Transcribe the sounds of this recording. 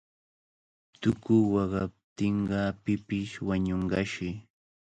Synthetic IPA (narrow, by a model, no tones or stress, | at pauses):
t̪ʊkʊjwɑɢɑp̚t̪ɪɴɢɑpɪpɪʃwaɲoɴɢɑʃɪ